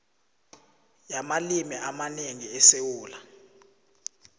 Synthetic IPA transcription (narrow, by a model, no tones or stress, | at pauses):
jamalimiʔamaneŋiɛsewuːla